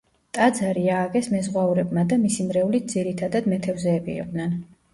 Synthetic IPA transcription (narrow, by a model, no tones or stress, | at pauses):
t̪ʼad̪zaɾiaːɡɛsmɛzʁwauɾɛbmad̪amisimɾɛulit̪̚ʰd̪ziɾit̪ʰad̪ad̪mɛt̪ʰɛvzɛːbḭḭqʼd̪nɛn